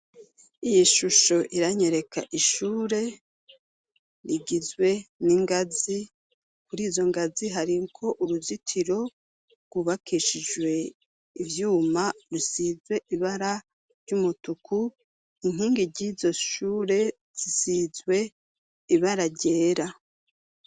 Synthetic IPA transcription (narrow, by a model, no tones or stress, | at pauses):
ijiʃuʃo̞ʔiɾaɲe̞ɾe̞kʰaʔiʃuːɾe̞ | ɾiɡizɡwe̞niŋɡazi | kuɾiːzo̞ŋɡaziɦaɾiŋkʰo̞ʔuɾuzitʰiɾo̞ | ɾɡ̥wuβakʰiʃid͡ʒwe̞ | ivjuːmaɾusizwe̞ʔiβaɾa | ɾɟumutukʰu | iŋ̥iːŋɡiɾɟizo̞ʃuːɾe̞ | z̥isizwe̞ | iβaɾaɾɟe̞ːɾa